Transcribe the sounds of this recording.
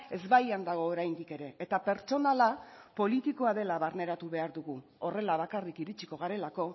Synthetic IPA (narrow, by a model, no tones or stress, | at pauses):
e̞zβajand̪aɣ̞o̞ːɾajnd̪ike̞ɾe̞ːt̪ape̞ɾt͡ʃo̞nalapo̞lit̪ikoaðe̞laβaɾne̞ɾat̪uβe̞aɾðuɣu | ore̞laβ̞akarikiɾit͡ʃi̥ko̞ɣ̞aɾe̞lako̞